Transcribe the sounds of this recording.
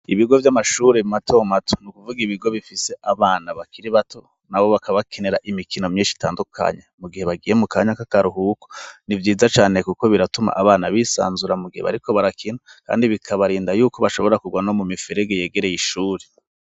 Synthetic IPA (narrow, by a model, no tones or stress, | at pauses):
iβiɡo̞vjamaʃuːɾematʰo̞matʰo̥nukuvuɡiβiɡo̞βifise̞ʔaβaːnaβakiɾiβatʰo̞ | naβo̞βakaβakʰene̞ɾaʔimikino̞mɲiːnʃi̥taːndukʰa̰ɲemuɡihe̞βaɡiːje̞mukaːɲakakaɾuɦuːko̥nivjiːzat͡ʃaːnekuko̞βiɾatuma̰ʔaβaːnaβisa̰ːnzuɾamuɡiheβa̰ɾiko̞βaɾakʰinaka̰ːndiβikʰaβaɾiːndajuːko̞βaʃo̞βo̞ɾakuɡwanomumifeɾeɡeje̞ːɡe̞ɾe̞jiʃuːɾe